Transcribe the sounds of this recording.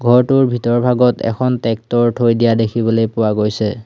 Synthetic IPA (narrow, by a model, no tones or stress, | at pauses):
ɡʱɔɹtʊɹbʱitɔɹbʱaɡɔtɛ̰kʰɔntɛk̚tɔɹtʰojdijadekʰibɔlojpʊwaɡojsɛ